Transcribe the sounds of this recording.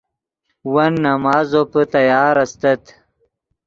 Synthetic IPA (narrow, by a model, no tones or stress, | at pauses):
wɐnːɐmɑːzopət̪ɐjɑːɾɐst̪ɐt̪